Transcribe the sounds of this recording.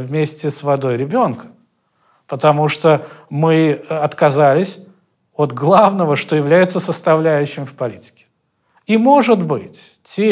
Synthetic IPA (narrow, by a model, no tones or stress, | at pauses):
vmʲesʲtʲɪsvɐd̪o̞jɾʲɪbʲo̞nkə̥ | pət̪ɐmuʂt̪omɨɐt̪kɐzalʲɪsʲ | ot̪ɡlˠavnəvəʂt̪ojɪvlʲæjɪt̪səsəst̪ɐvlʲæjʉɕːɪmfpɐlʲitʲɪ̥kʲɪ̥ | imoʐɨd̪bɨtʲ | tʲe